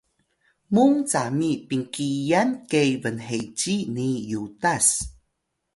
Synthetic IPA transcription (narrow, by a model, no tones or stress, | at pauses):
muŋt͡samipiŋkijankejvənɦejt͡ɕinijudas